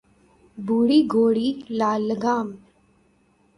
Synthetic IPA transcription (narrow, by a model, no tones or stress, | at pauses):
buːɽiːɡʱoːɽilaːləɡaːm